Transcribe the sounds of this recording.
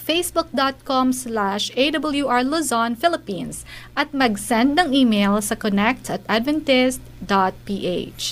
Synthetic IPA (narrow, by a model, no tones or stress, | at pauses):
fejsbʊk̚d̪at̪̚kɔmslaʃejd̪ɐbɐljuʔaɹluzɔnfɪlɪpĩnsʔɐt̪̚mɐɡsɛ̃nd̪̚nɐŋiːmejlsɐkɔnɛk̚t̪ɐt̪ʔad̪vɛnt̪ɪst̪d̪at̪̚piːʔḛt͡ʃ